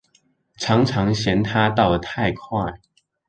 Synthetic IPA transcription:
ʈ͡ʂʰɑ˧˥ŋʈ͡ʂʰɑ˧˥ŋɕjɛ˧˥nt̪ʰa˥t̪ɑ˥˩ʊlə˩t̪ʰa˥˧ɪkʰwa˥˩ɪ

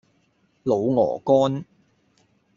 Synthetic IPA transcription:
lo˨˧wŋɔ̰ː˨˩kɔː˥n

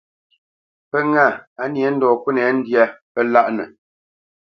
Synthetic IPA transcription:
pə˦ŋa˦˨a˨˦nje˨˦n̩˦dɔː˨ku˦nɛ˨˦n̩˦dja˦pə˦la˦ʔnə̰˨

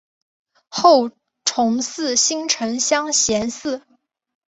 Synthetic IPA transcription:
xo˥˩ʊ | ʈ͡ʂʰʊ˧˥ŋsɹ̩˥˩ɕi˥ŋʈ͡ʂʰɤ˧˥ŋɕjɑ˥ŋɕjɛ˧˥nsɹ̩˥˩

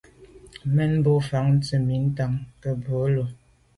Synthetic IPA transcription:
mɛ˦n˦bo˦fa˨˦ŋn̩˦t͡sə˦˨mi˨˦n̩˦ta˦ŋkə˦bo˨˦lo˨

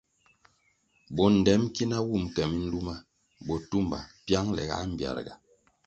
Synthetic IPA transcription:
bɔ˨n̩˨dɛ˨˦mki˦na˦wu˦˨mkɛ˨mi˦n̩˦du˦ma˦ | bɔ˨tu˦mba̰˨pja˦ŋlɛ̰˨ɡa̰˦m̩˨bja̰˨ɾɡa̰˨

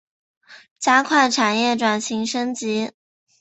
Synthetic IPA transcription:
t͡ɕja˥kʰwa˥˩ɪʈ͡ʂʰa˨˩njɛ˥˩ʈ͡ʂwa˨˩nɕi˧˥ŋʂɤ˥ŋt͡ɕi˧˥

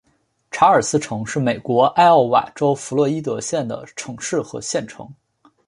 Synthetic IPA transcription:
ʈ͡ʂʰa˧˥ə˞˨˩sɹ̩˥ʈ͡ʂʰɤ˧˥ŋʂɻ̩˥˩me˨˩ɪkwɔ˧˥ʔa˥˧ɪɑ˥˩wa̰˨˩ʈ͡ʂo˥ʊfu˧˥lɤ˥˩i˥t̪̬ɤ˧˥ɕjɛ˥˩nd̪ə̰˩ʈ͡ʂʰɤ˧˥ŋʂɻ̩˥˩xɤ̰˧˥ɕjɛ˥˩nʈ͡ʂʰɤ̰˧˥ŋ

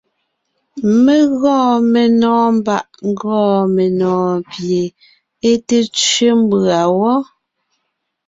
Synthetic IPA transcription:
me˦ɣɔ̃ː˦˨me˨nɔː˨m˦ba˦˨ʔŋ˦ɡɔː˦˨me˨nɔ̃ː˨pje˨ | e˦te˦t͡ʃɥe˦m˦ba˨wɔ˦

